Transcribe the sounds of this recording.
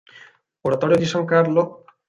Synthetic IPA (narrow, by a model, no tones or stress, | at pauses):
oɾat̪ɔɾod̪iʃɔŋkaɾlo